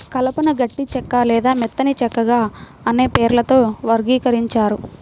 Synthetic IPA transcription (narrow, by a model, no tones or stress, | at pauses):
kɐlɐpɐnɐɡɐʈːit͡ʃɛkːaːlɛːd̪aːmɛt̪ːɐnit͡ʃɛkːɐɡaː | ɐne̞ːpeːɾlɐt̪o̞ːʋɐɾɡiːkɐɾiɲt͡ʃaːɾu